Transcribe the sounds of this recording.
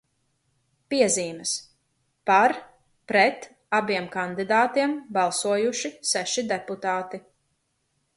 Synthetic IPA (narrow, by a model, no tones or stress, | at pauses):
piɛziːmɐs | paɾ | pɾɛt̪ | abiɛmkand̪id̪aːt̪iɛmbɑlˠsuɔjuʃisɛʃid̪ɛput̪aːt̪i